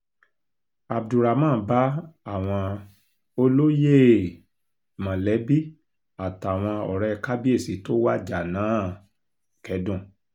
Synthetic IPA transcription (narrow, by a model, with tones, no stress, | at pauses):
a˨b̚du˨ɾa˨mãː˦˨˦ba˦a˦˨w̃ɔ̃˧ | o˧lo˦je˦˨ | mã˨lɛ˨˦bi˦ | a˨ta˨w̃ɔ̃˧ɔ˨ɾɛ˦˧ka˦bi˦e˦˨si˨˦to˦wa˦d͡ʒa˨nãː˨˦ | kɛ˧dũ˦˨